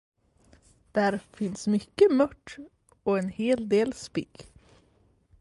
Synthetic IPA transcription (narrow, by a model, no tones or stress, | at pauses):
d̪̥æːɾfɪnsmʏkəmœʈ | oːeːnheːld̪eːlspɪk